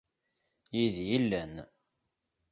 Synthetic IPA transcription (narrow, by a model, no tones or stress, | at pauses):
jiðjilːən